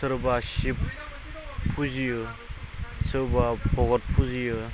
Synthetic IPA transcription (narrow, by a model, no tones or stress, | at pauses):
sɯɾbasipʰː | uzijɯ | sɯɾbapʰɔɡɔt̚pʰuzijɯ